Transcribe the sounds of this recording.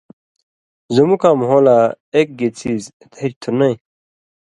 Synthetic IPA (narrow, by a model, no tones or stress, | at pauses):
zumukaːmɦola | ek̚ɡet͡sʰiːz | t̪het͡ɕt̪ʰunɐĩ